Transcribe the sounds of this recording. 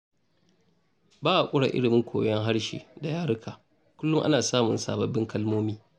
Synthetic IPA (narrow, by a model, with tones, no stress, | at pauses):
baː˦ʔa˨kʷʼʊ˦ɽa̰˨ʔɪ̰˦ɽɪ˨mɪ˦ŋkʷʰoː˨jɛ˦ŋɦa˦ɽʃḛː˨da˨jaː˦ɽʊ˦kʰaː˨ | kʷʊ˦lːʊ˦ŋʔa˦naː˨saː˦mʊ˨nsa̰ː˨bɐ˨bːɪ˦ŋkɐ˦lmoː˦miː˦